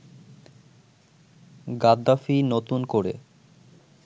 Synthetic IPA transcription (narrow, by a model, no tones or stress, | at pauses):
ɡad̪ːafinot̪unkoɾḛ